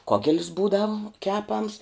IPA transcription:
ˈkoːɡʲɛlʲs ˈbuːdɐʋʊ ˈkʲæːpɐms

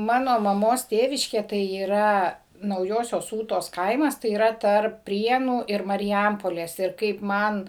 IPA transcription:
ˈmɑːnoː mɐˈmoːs ˈtʲeːʋʲɪʃʲkʲeː tɐɪ iːˈrɐ nɐʊˈjoːsʲoːs ˈuːtoːs ˈkɐɪmɐs tɐɪ iːˈrɐ ˈtɐrp ˈpʲrʲiɛnuː ɪr mɐrʲɪˈjɛmpoːlʲeːs ɪr ˈkɐɪp ˈmɐn

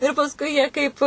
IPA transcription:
ɪr pɐsˈkʊɪ jiɛ ˈkɐɪp

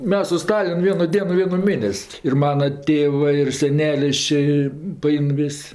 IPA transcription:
ˈmʲɛs sʊ ˈstɑːlʲɪn ˈʋʲiɛnʊ ˈdʲiɛnʊ ˈʋʲiɛnʊ ˈmʲeːnʲɛsʲ ɪr ˈmɑːnɐ ˈtʲeːʋɜ ɪr sʲɛˈnʲæːlʲɪs t͡ʃʲɛ pɐˈɛɪn ˈʋʲɪsʲ

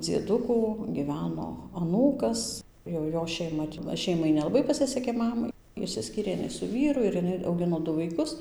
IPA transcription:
d͡zʲiɛˈdʊkuː ɡʲiːˈʋʲæːnoː ɐˈnuːkɐs jɛʊ ˈjoː ʃʲɛɪˈmɐ ˈʃʲɛɪmɐɪ nʲɛlˠɐˈbɐɪ pɐˈsʲɪsʲɛkʲeː ˈmɑːmɐɪ ɪʃʲsʲɪˈsʲkʲiːrʲeː jɪˈnɐɪ sʊ ˈʋʲiːrʊ ɪr jɪˈnɐɪ ɐʊˈɡʲɪnoː ˈdʊ ʋɐɪˈkʊs

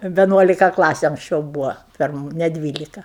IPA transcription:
ʋʲɛˈnuɔlʲɪkɐ ˈklˠɑːsʲʊ ɐŋksʲˈt͡ʃʲɛʊ ˈbuːʋoː ˈpʲɪrmʊ nʲɛ ˈdʲʋʲiːlʲɪkɐ

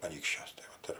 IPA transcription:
ɐˈnʲiːkʃʲt͡ʃʲuɔs tɐɪ ˈʋɐt ɪr

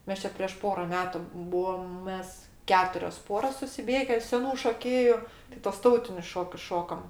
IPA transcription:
ˈmʲɛs t͡ʃʲɛ pʲrʲiɛʃ ˈpoːrɐ ˈmʲæːtʊ ˈbuɔm ˈmʲɛs ˈkʲæːtʊrʲoːs ˈpoːroːs sʊsʲɪˈbʲeːɡʲɛ sʲɛˈnuː ʃoːˈkʲeːjʊ tʲ tuɔs ˈtɐʊtʲɪnʲʊs ˈʃoːkʲʊs ˈʃoːkɐm

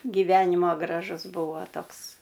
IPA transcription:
ɡʲɪˈʋʲæːnʲɪmoː ɡrɐˈʒʊzˈbʊʋoː ˈtoːks

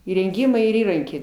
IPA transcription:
iːrʲɛŋʲˈɡʲiːmɐɪ ɪr ˈiːrɐŋʲkʲɛɪ

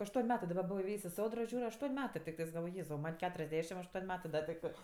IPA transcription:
ɐʃˈtuɔnʲ ˈmʲæːtɜ dɐˈbɐ ˈbʊʋoː ɪˈʋʲeːjsʲ ɪ ˈsoːdroː ˈʒʲuːrʲ ɐʃˈtuɔnʲ ˈmʲæːtɜ tʲɪkˈtɜs ɡɐlˠˈʋoːj ˈjeːzɐʊ ˈmɐnʲ ˈkʲæːtʊrʲɛzʲˌdʲæːʃʲɪm ɐʃˈtuɔnʲ ˈmʲæːtɜ ˈdɐ tʲɪkˈtɜ

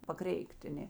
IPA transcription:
pɐˈkrʲɛɪkˈtʲ ɐ ˈnʲeː

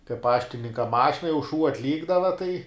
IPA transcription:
kɐɪ ˈpɑːʃʲtʲɪnʲɪŋkɐ ˈmɑːʃʲɪnɐ jɛʊ ʃuː ɐtʲˈlʲiːɡdɐʋɐ tɐɪ

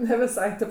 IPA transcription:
nʲɛ ʋʲɪˈsɐɪ ˈtʲeːp

